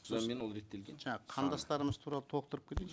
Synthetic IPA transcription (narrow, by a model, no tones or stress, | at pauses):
menwolɾe̞t̪ːe̞lɡʲenʒɑɑəqʰɑnd̪ɑst̪ɑɾəməz̥t̪ʰuɾɑlˠət̪ʰo̞qt̪əɾəp̚kʲe̞t̪e